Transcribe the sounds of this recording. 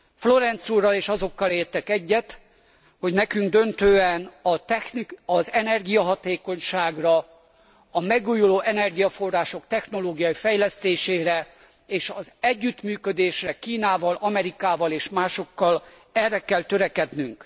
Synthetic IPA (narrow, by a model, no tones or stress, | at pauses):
flo̞ɾɛnt̪suːrːɒleːʃɒzo̞kːɒleːrt̪ɛkɛɟːɛt̪ | ho̞ɟnɛkyŋɡd̪ø̞nt̪øːɛnɒt̪ɛnɒzɛnɛrɡijɒɦɒt̪eːko̞ɲʃaːɡrɒ | ɒmɛɡuːjuloːʔɛnɛrɡijɒfo̞rːaːʃo̞kt̪ɛxno̞loːɡijɒjifɛjlɛst̪eːʃeːɾɛ | eːʃɒzɛɟːyt̪myːkød̪eːʃrɛkiːnaːvɒlɒmɛɾikaːvɒleːʃmaːʃo̞kːɒl | ɛrɛkɛlt̪ø̞ɾɛkɛd̪nyŋk